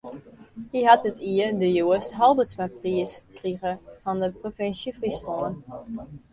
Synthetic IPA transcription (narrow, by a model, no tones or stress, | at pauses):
hiɦatətiədəjuəstɦɑlˠbətsmapriəskriɣəfɔndəprofɪnsjəfristɔlən